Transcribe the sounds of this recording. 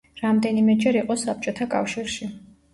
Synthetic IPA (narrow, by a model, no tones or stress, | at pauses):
ɾamd̪ɛnimɛd͡ʒɛɾiqʼɔsap̚t͡ʃʼɔt̪ʰakʼa̰fʃiɾʃi